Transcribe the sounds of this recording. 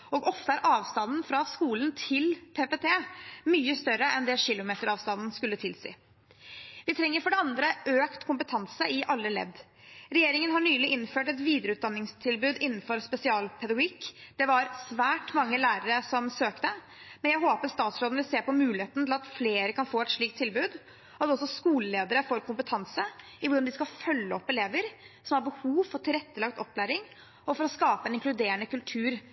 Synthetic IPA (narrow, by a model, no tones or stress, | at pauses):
ɔɡɔft̪əæɾʔɑːʋst̪ɑnn̩fɾɑskuːlənt̪ʰɪlpʰeːpet̪ʰeːmyːəst̪œɾəʔɛnd̪ɛʂɪlʊmeːt̪əɾɑːʋst̪ɑnd̪n̩skʉlːət̪ʰɪlsḭː | ʋɪt̪ʰɾɛŋːəɾfɔɖɛɑnd̪ɾəʔøːkt̪kʰʊmpət̪ʰɑnsəɪʔɑlːəlɛ̰d̪ɾɛjeːɾɪŋənɦɑɳyːlɪɪnføːʈɛt̪ʋiːd̪əɾəʉːt̪d̪ɑnːɪŋst̪ʰɪlbʉːd̪ɪnːn̩fɔɾspɛsɪɑːlpʰɛd̪ɑɡʊɡikːd̪̥ɛʋɑɾsʋæːʈmɑŋːəlæːɾəɾəsɔmsøːkt̪ə | mɛnjæɦoːpəɾst̪ɑːt̪sɾoːd̪n̩ʋɪlseːpɔmʉːlɪheːt̪nt̪ʰlɑt̪fleːɾəkɑnfoːɛt̪ʂɭiːk̚t̪ʰɪlbʉːd̪ | ɔd̪ɛɔsɔskuːləleːd̪əɾəfɔɾkʰʊmpət̪ʰɑnsə | ɪʋʊɖɑnd̪ɪskɑfœlːəɔpːɛleːʋəɾ | sɔmhɑɾbəhuːʋfɔʈʰɪlɾɛt̪ːəlɑkt̪ɔpːlæːɾɪŋ | ɔfɔɾɔskɑːpəɛnɪŋklʉd̪eːəɳəkʉlt̪ʰʉːɾ